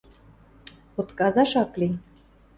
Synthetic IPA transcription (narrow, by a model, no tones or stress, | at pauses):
pot̪kɑzɑʃɑkli